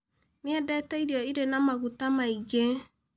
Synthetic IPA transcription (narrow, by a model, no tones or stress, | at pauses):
neɛdɛtɛiɾjɔiɾenamaɣutamaiɣe